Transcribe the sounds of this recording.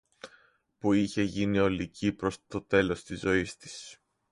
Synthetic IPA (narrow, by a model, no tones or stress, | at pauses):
puiçe̞ʝinio̞licipɾo̞st̪o̞t̪e̞lo̞st̪izo̞ist̪i̥s